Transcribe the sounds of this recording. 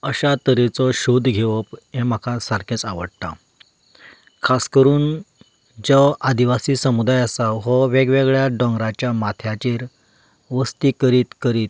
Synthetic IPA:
əɕat̪əɾet͡sɔɕod̪ʱɡʱeʋəpẽm̤akʰasaɾkʰet͡saʋəɽt̪a̰ | kʰaskəɾuːn | d͡zəad̪iʋasiːsəmud̪ajəsaɦɔʋeɡʋeɡɭjaɖɔ̃ŋɡɾat͡ɕjamat̪ʰjat͡ɕiːɾ | ʋəst̪iːkəɾiːt̪kəɾiːt̪̚

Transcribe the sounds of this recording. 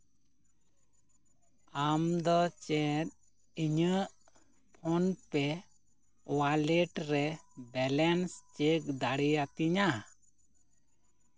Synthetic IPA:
amd̪ɔt͡ʃɛɾ̚ | iɲəʔ | pʰɔnpɛ | waleʈɾɛbɛlɛnst͡ʃek̚d̪aɽijat̪iɲa

